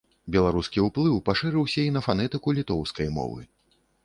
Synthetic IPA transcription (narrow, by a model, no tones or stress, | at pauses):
bʲɛlˠaɾuskʲiuplˠɨwpaʂɨɾɨwsʲɐinɐfanɛt̪ɨkulʲit̪ɔwskɐjmɔ̰vɨ̰